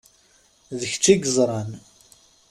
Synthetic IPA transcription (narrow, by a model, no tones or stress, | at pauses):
ðəç̥t͡sːiɡəzˤɾˤɑn